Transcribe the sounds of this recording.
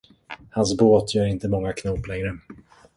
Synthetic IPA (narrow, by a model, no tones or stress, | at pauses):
hans̬boːt̪ʰjœːɾɪnt̪əmɔŋːakʰnɔplɛŋɾə